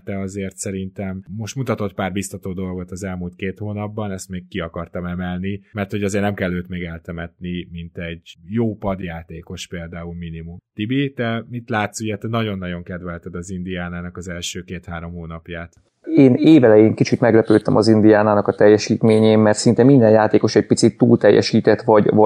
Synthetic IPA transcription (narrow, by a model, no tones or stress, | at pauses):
t̪ɛɒzeːrt̪sɛɾint̪ɛmːo̞ʃt̪mut̪ɒt̪o̞t̪paːrbist̪ɒt̪oːd̪o̞lɡo̞t̪ɒzɛlmult̪keːt̪hoːnɒbːɒnɛst̪meːkkiɒkɒrt̪ɒmɛmɛlnimɛrt̪ho̞ɟɒzeːrnɛmkɛlːøːt̪meːɡɛlt̪ɛmɛt̪nimint̪ɛɟjoːpɒd̪jaːt̪eːko̞ʃpeːld̪aːulminimumt̪ibit̪ɛmit̪laːt̪suɟɛt̪ɛnɒɟo̞nːɒɟo̞ŋkɛd̪vɛlt̪ɛd̪ɒzind̪ijaːnaːnɒkɒzɛlʃøːkeːt̪haːɾo̞mhoːnɒpjaːt̪ | eːneːvɛlɛjeːŋkit͡ʃit̪mɛɡlɛpøːt̪ɛmʔɒzind̪ijaːnaːnɒkɒt̪ɛjːɛʃiːt̪meːɲeːmmɛrt̪sint̪ɛmind̪ɛnjaːt̪eːko̞ʃɛc̚pit̪sit̪ːṵːlt̪ɛjːʔɛ̰ʃiːt̪ɛt̪ʋɒɟvɒ